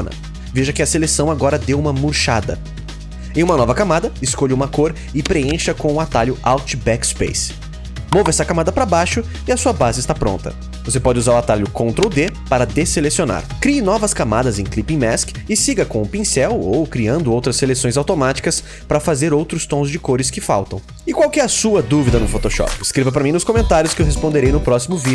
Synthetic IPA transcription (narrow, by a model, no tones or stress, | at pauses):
nɐ̰ | veʒɐkɪɐselesɐ̃w̃aɡɔɾɐd̪ewũmɐmuɾʃad̪ɐ̰ | ẽj̃ũmɐnɔvɐkamad̪ɐɪskoʎɪũmɐkoɾ | ɪpɾeẽʃɐkõw̃ʊat̪aʎʊʔawt͡ʃɪbɛkspḛjs | movɛsɐkamad̪ɐpɾɐbajʃʊ | ɪɐsuɐbazɪst̪apɾõ̰nt̪ɐ̰ | vosepɔd͡ʒɪuzaɾʊat̪aʎʊkõnt̪ɾɐʊd̪epaɾɐd̪eselesiona̰ɾkɾiɪnɔvɐskamad̪ɐzẽj̃klipĩmɛskɪsiɡɐkõʊpĩsɛwowkɾiɐ̃nd̪ʊowt̪ɾɐsːelesõj̃zawt̪omat͡ʃi̥kɐs | pɾɐfazeɾowt̪ɾʊst̪õzd͡ʒɪkoɾɪskɪfa̰wt̪ɐ̰̃w̃ | ɪkwawkɪɛɐsuɐd̪uvid̪ɐnʊfot̪oʃɔ̰pɪskɾevɐp̬ɾɐmĩnʊskõmẽnt̪aɾjʊskɪewɦespõd̪eɾejnʊpɾɔsimʊvid͡ʒʊ